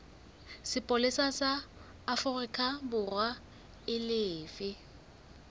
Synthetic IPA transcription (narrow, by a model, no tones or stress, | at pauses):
sɪpʼolɪsasaː | fʊrikʼabʊrwa | ɪlɪːfɪ